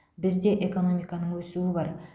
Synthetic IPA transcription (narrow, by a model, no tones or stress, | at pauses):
bɪzd̪e̞ʔeko̞no̞mijkɑnəɴwɵsuɪbɑɾ